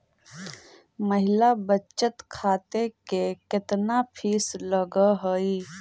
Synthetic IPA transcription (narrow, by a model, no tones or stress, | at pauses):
məɦɪlabət͡ʃət̪kʰaːt̪ekekɪt̪napʰiːsləɡəɦəiː